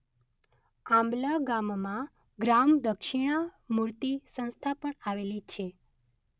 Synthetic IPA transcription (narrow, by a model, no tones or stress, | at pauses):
ãmblaɡammã | ɡɾamd̪əkʃiɽ̃amuɾt̪isə̃ñst̪ʰapəɳaʋelit͡ʃʰe